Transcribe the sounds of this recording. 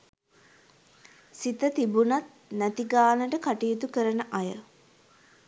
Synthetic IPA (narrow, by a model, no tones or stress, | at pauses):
sit̪ət̪ibunat̪ | næt̪iɡaːnəʈəkaʈijːt̪ukəɾənəʔajə